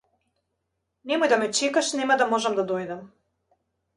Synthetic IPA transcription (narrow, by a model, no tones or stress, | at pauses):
nemojd̪amet͡ʃikaʃnemad̪amoʒɛmd̪ad̪ojd̪am